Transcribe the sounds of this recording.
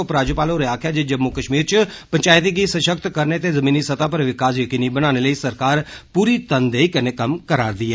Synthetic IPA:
opɾaːd͡ʒopaːloːɾeaːkʰɪjaːd͡ʒed͡ʒəbmukəʃmiːɾt͡ʃəpəɲt͡ʃaːɪt̪iɡiːsəʃəkt̪kəɾneːt̪eːzəmiːniːsət̪aːp̬əɾʋɪkaːsjəkiːniːbəɽ̃aːñeːləiːsəɾkaːɾpuːɾiːt̪ənd̪eːikəneːkəmkəɾaːɾd̪iːɛː

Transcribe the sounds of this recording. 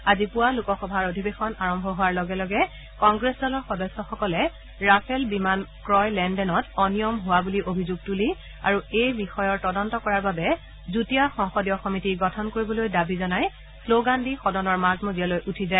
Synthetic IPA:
azipʊwalukɔxɔbʱaɹodʱibexɔnaɹɔmbʱɔɦʊaɹlɔɡɛlɔɡɛ | kɔŋɡɹesdɔlɔɹxɔdɔsːɔxɔkɔlɛ | ɹapʰɛlbimankɹɔjlɛndɛnɔtɔnijɔmɦʊwabuliʔobʱizuɡ̚tuli | aɹuejbixɔjɔɹtɔdɔntɔkɔɹaɹbabɛ | zutiaxɔŋxɔdijɔxɔmitiɡɔtʰɔnkoɹibɔlojdabizɔnaj | sloɡandixɔdɔnɔɹmazmozijalojʔutʰizaɛ

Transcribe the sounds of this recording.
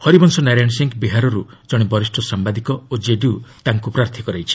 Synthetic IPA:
hɔɾibɔnsɔnaɾanseŋkbiɦaɾɔɾu | d͡ʒɔɽ̃ebɔɾisʈʰɔsambad̪ikɔod͡ʒeɖiut̪aŋkupɾaɾt̪ʰikɔɾajt͡ʃʰi̥

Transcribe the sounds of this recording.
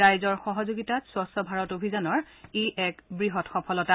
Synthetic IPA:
ajzɔɹxɔɦɔzoɡitatswɔsɔbʱaɹɔtobʱizɔnɔɹeʔɛkbɹiɦɔtxɔpʰɔlɔta

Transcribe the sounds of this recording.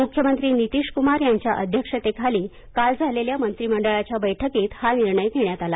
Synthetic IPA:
mukʰjəmənt̪ɾiːnit̪iːʂkumaɾjaɲt͡ɕjaʔə̰d̪ʱjəkʂət̪ekʰaliː | kald͡zʱaleljamənt̪ɾiːməɳɖəɭat͡ɕjabəjʈʰəkiːt̪haniɾɳəjɡ̪ʱeɳjat̪ala

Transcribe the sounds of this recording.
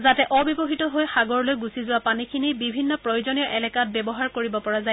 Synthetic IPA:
zatɛʔɔbibɔɦitɔɦojxaɡɔɹlojɡusizʊwapanikʰinibibʱinːɔpɹɔjozonijɔʔɛlɛkat̚bɛbɔɦaɹkoɹibɔpɔɹazaj

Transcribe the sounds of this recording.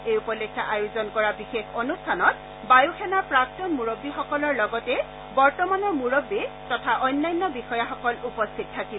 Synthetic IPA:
ejupɔlekʰːaʔajozɔnkɔɹabixexonustʰanɔt̚ | bajuxʰɛnapɹak̚tɔnmuɹobːixɔkɔlɔɹlɔɡɔtɛ | bɔɹtɔmanɔɹmuɹobːitɔtʰaʔɔjnːajnːɔbixɔjaxɔkɔlupɔstʰit̚tʰakib

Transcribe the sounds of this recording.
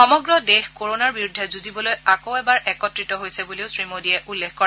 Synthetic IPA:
xɔmɔɡɹɔdexkoɹonaɹbiɹudʱːɛzuzibɔlojakoʊɛbaɹʔɛkɔtɹitɔɦojsɛbuliʊsɹimodiɛʔulːexkɔɹa

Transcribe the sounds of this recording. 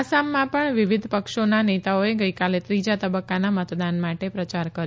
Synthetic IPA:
asamːãpəɳʋɪʋid̪ʱpəkʃonanet̪aoeɡəjkalet̪ɾid͡ʒat̪əbəkːanamət̪d̪anmaʈepɾət͡ʃaɾkəɾ

